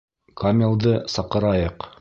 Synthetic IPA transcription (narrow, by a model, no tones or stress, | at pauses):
kamʲɪlˠd̪ɤsɑqɤ̆ɾɑjɤq